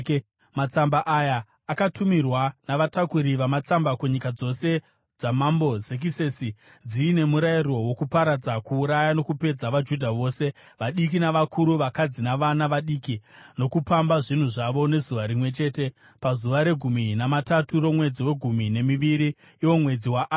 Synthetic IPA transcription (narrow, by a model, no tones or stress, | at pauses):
mat͡sambaʔajaː | katʰumirwanaʋatakuɾiʋamat͡sambakuɲikad͡zo̞se̞ | d͡zamambo̞zek̬isesi | d͡ziːne̞muɾairo̞wo̞kupaɾad͡zakuːɾajano̞kupe̞d͡zaʋad͡ʒudʱaʋo̞ːse̞ | ʋaɗikinaʋakʰuɾuʋakad͡zinaʋanaʋaɗiːkino̞kupambaʐin̤uʐaʋo̞ne̞zuʋaɾimwe̞t͡ʃe̞ːte̞ | pazuʋaɾe̞ɡʱuminamataturo̞mwe̞d͡ziwe̞ɡʱumine̞miʋiɾiː | wo̞mwe̞d͡ziwaʔ